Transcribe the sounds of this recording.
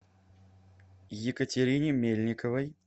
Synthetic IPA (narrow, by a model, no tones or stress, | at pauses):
jɪkətʲɪɾʲinʲɪmʲelʲnʲɪkəvəj